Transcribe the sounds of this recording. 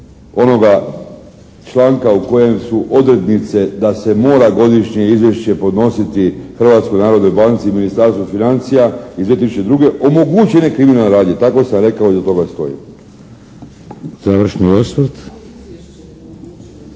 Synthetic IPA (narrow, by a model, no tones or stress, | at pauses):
o̞no̞ɡa | t͡ʃlaːŋkauko̞je̞msuʔod̪ɾe̞d̪nit̪se̞d̪ase̞mo̞ːɾaɡo̞d̪iʃɲe̞izʋje̞ʃt͡ɕe̞po̞d̪no̞sit̪ixrʋat̪skojnaːɾo̞d̪no̞jbant̪siminist̪aɾst̪ʋofinant̪sijaizʋe̞t̪isʃut͡ʃed̪ɾuɡeʔo̞moɡut͡ɕenekɾiminaleɾaːd̪jet̪ako̞samɾe̞kao̞izat̪o̞ɡast̪o̞̰jḭ | zaʋr̩ʃniosʋəɾt̪